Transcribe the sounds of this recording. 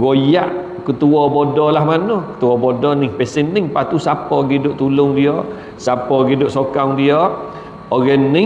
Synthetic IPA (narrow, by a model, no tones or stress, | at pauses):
ɡojaʔ | kət̪uɔbodɔlahmanokə̥t̪uɔbodɔniŋpɛsɛnːiŋpat̪usapɔɡidʊʔt̪ulʊŋdiɔ | sapɔɡidʊʔsokaŋdiɔ | oɡɛnːi